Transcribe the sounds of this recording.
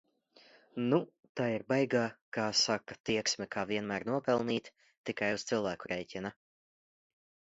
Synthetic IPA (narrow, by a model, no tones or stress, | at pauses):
nu | t̪aːiɾbɛjɡaːkaːsakat̪iɛksmɛkʰaːviɛnmæːɾnuɔpɛlˠniːt̪ | t̪ːikajust̪silˠvæːkuɾʔɛjcʲina